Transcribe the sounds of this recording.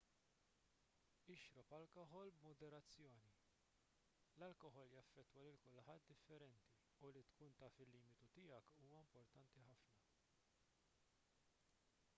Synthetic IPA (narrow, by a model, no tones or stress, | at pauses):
ɪʃɾɔpɐlkɔħɔlbmɔd̪ɛɾɐt͡sːjɔːni | lɐlkɔħɔljɐfːɛt̪ːwɐlɪlkʊlħɐt̪̚d̪ɪfːɛɾɛnt̪i | ulit̪kuːnt̪ɐfɪlːiːmɪt̪ut̪ɪjɐkuːwɐɪmpɔɾt̪ɐnt̪iħɐfnɐ